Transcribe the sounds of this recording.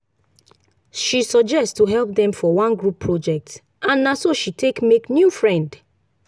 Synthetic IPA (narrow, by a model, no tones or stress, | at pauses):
ʃisɔd͡ʒɛsttuɦɛlp̚dɛ̃mfɔwãnɡɹupʰːɹɔd͡ʒɛk̚t | ãnːasoʃitʰekmeknjufɹɛ̃nd